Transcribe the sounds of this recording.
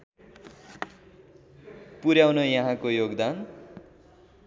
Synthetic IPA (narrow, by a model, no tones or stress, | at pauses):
puɾjawnʌjʌɦãkojoɡd̪an